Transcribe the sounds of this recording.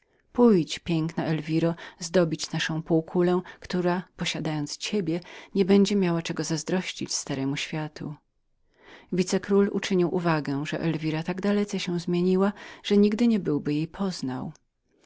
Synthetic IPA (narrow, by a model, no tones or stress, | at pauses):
pujt͡ɕpʲjɛŋknaʔɛlvʲiɾɔzd̪ɔbʲit͡ɕnaʂɔ̃w̃puwkʰulɛ̃kt̪uɾapɔɕad̪ajɔnt̪st͡ɕebʲjɛɲɛbɛɲd͡ʑɛmʲjawat͡ʂɛɡɔzazd̪ɾɔɕt͡ɕit͡ɕst̪aɾɛmuɕfʲjat̪ṵ | vʲit̪sɛkɾulṵt͡ʂɘɲiwʔuvaɡɛ̃ʐɛʔɛlvʲiɾat̪aɡd̪alɛt̪sɛɕɛw̃zmʲjeɲiwaʐ̥ɛɲiɡd̪ɘɲɛbɘwbɘjejpʰɔzna̰w